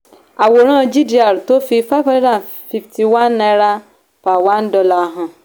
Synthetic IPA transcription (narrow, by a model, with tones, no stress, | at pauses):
a˨wo˨ɾ̃ã˦˨d͡ʒi˦di˦a˨ɾto˦fi˦fa˦fa˦dã˦˨ | fi˨ftʰi˨wã˦nːa˨˦ɾa˦ | fa˨wã˦n˦dɔ˨la˨ɦã˨